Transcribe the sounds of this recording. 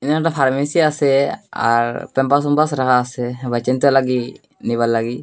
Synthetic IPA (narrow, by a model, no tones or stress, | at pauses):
inaʈapʰaɾmisiasɛa̰ɾpɛmpas̬ɔmbasɾaɦaːsɛbʱat͡ʃənt̪ɛlaɡi | nibalːaɡi